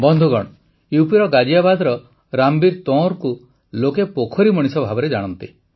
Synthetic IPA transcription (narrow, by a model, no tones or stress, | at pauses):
bɔnd̪ʱuɡɔɽ̃ɔ | uwpiɾɔɡad͡ʒijabad̪ʱɾɔ | ɾambiɾt̪ɔ̃ɾku | lokepokʰɔɾimɔɽ̃isɔbʱabɔɾed͡ʒaɽ̃ɔnt̪i